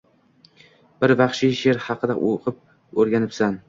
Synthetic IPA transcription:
b̥ɪɾvɑχʃɪʃeɾhɑqʰɨd̪aʔoqʰɨp̚ | ɵɾɡʲanɪpsan

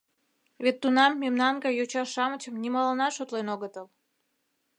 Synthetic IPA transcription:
βet̪ːunɑmːemnɑnɡɑjot͡ɕɑʃɑmət͡ɕə̆mnʲimɑlənɑʃot̪lenoɣət̪əl

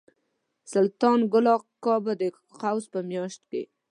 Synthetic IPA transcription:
salt̪ɑnɡʊlɑqkːɑbad̪ə | qawzpəmjɑʃt̪kḛ

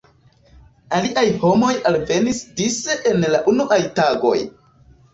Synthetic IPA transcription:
aliʔajho̞mo̞jalve̞nisdiseʔenlaʔunuʔajtaɡo̞̰j

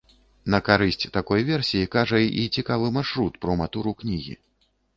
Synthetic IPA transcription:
nɐkaɾɨsʲt͡sʲt̪akɔjvʲɛrsʲijikaʐɐit͡sʲikavɨmarʂɾut̪pɾɐmat̪uɾuknʲiɣʲḭ

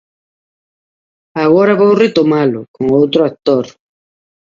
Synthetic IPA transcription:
aɣoɾaβowrɪt̪omalokoŋowt̪ɾoak̚t̪oɾ

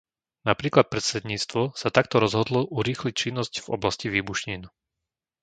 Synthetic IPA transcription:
napɾiːklat̪̚pɾɛt̪sɛd̪ɲiːt͡st̪ʋɔsat̪akt̪ɔɾɔzɦɔd̪lɔʔuɾiːxlic̚t͡ʃinːɔscvɔ̰blasciʋiːbuʃɲin

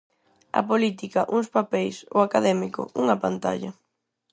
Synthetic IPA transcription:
ɐ̰polit̪ikɐʔuŋspapɛjso̰akaðɛmikʊ̰uŋɐpant̪a̰ʎɐ̰

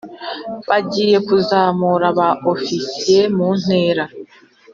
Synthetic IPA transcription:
βaɟiːje̞kuzaːmuɾaβaʔofisije̞mun̥e̞ːɾa

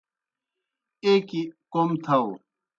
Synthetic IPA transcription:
ekikomt̪ʰɐw

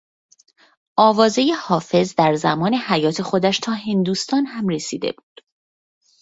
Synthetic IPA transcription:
ʔɒːvɒːzejehɒːfe̞zd̪æɾzæmɒːne̞hæjɒːt̪ʰe̞xo̞d̪æʃt̪ʰɒːɦe̞nd̪uːst̪ɒːnhæmre̞siːd̪e̞̰buːd̪̥

